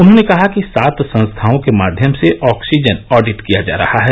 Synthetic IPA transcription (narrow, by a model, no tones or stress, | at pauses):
ʊnɦõnekɐɦakisaːt̪sɐ̃nst̪ʰaːõkemaːd̪ʱjəmseʔɔːksid͡ʒənɔːɖɪʈkijad͡ʒa̰ːɾɐ̰haɦɛː